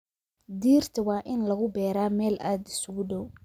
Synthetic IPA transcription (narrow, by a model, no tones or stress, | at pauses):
d̪iːrt̪ʰɐwaːʔɪnlɐɣʊbɛːɾaːmɛːlʔaːd̪ɪ̥sʊɣʊdɔw